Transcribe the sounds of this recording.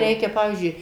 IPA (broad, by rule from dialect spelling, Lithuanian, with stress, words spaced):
ˈrʲɛɪkʲɛ ˈpɑːʋʲiːzʲd͡ʒʲʊɪ